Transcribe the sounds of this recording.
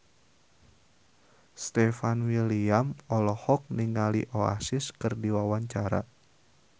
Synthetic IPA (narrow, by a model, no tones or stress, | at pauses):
st̪ɛfanwiliamɔlɔhɔk̚niŋaliʔoa̰sɪskɨrdiwawaɲt͡ʃaɾa̰